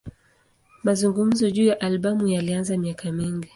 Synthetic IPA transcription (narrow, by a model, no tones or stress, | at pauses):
mazuŋɡum̩zɔʄuːjaʔalɓamujalianzamiakʰamiŋɡi